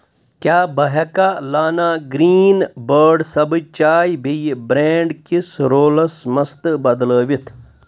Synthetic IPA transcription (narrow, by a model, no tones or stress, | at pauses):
kjaːbɐɦɐkalaːnaːɡɾiːnbəɾɖsɐbt͡ʃaːjbʱijbɾeːɳɖkisɾoːlɐsmɐst̪bɐd̪ləːʋit̪ʰ